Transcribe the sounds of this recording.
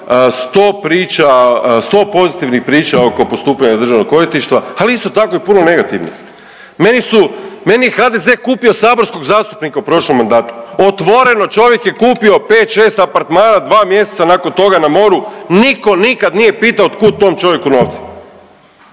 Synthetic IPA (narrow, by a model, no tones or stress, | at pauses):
st̪o̞ːpɾiːt͡ʃast̪o̞ːpo̞zit̪iʋnixpɾiːt͡ʃao̞ko̞po̞st̪uːpaɲad̪r̩ʒaʋno̞ɡkːo̞jit̪iʃt̪ʋaaliist̪o̞t̪ako̞ipuno̞ne̞ɡat̪ḭʋnḭx | me̞nisume̞nijexad̪eze̞ːkuːpio̞saːbo̞ɾsko̞ɡzaːst̪u̥pnikaupɾo̞ʃlomːand̪aːt̪u̥ot̪ʋo̞ɾe̞no̞t͡ʃo̞ʋje̞kjekuːpio̞peːt̪ʃeːst̪apaɾt̪maːnad̪ʋaːmje̞set̪sanako̞nt̪o̞ɡanamo̞ɾuniko̞nikad̪nije̞piːt̪aot̪kuːd̪̚t̪o̞ːmt͡ʃo̞ʋjekuno̞ːʋt̪se̥